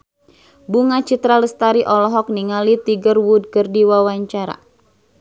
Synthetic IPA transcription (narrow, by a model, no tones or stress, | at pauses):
buŋat͡ʃit̪ɾaləst̪aɾiʔɔlɔɦɔk̚niŋalit̪iɡərwud̚kərdiwawaɲt͡ʃaɾa̰